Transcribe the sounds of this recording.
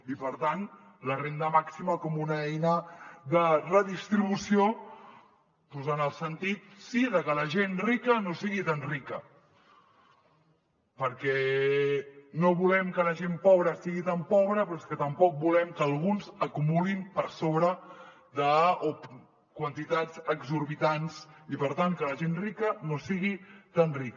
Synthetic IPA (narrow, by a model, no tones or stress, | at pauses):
ipəɾt̪an | lərend̪əmaksiməkɔmunəɛjnəðərəðist̪ɾiβusio | puzanəlˠsənt̪it̪̚siðəkələʒenrikənosiɣit̪anrikə | pəɾkɛ | noβulɛmkələʒempɔβɾəsiɣit̪ampɔβɾəpɾɔeskət̪əmpɔk̚bulɛmkəːlˠɣunzəkumulimpəɾsoβɾə | ðəo | kwənt̪it̪ad͡zəɡzuɾβit̪ansipəɾt̪aŋkələʒenrikənosiɣit̪anrik